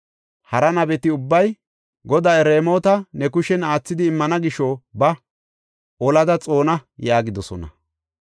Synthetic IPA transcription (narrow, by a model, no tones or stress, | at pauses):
hɐɾɐnɐbɛt̪ɪʊbːɐj | ɡɔd̪aːɛɾeːmo̞ːt̪ɐnɛkʊʃɛnaːt͡sːɪd̪ɪːmːɐnɐɡɪʃobɐ | ɔlɐd̪ɐt͡sʼo̞ːnɐjaːɡɪd̪ɔsɔnɐ̰